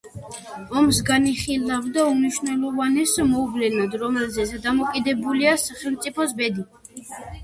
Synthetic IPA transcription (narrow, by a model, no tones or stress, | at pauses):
ɔmsɡaniχilˠavd̪aumniʃnɛlɔvanɛsmɔublɛnad̪ɾɔmɛlzɛsɛd̪amɔkʼid̪ɛbuliasaχɛlˠmt̪sʼipʰɔsbɛd̪i